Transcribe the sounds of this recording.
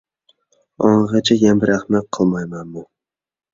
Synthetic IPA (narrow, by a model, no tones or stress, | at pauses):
ɒɴʁɑt͡ʃʰajanbɪɾaχmat̚qʰːɨlˠmajmanmʊ